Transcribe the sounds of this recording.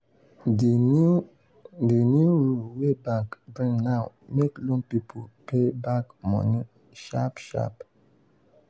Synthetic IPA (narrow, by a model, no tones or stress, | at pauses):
dənjuɹulwebakdɹĩnnaʊ | meklɔ̃ŋpipʰolpebakmɔ̰ni | ʃapʃa̰p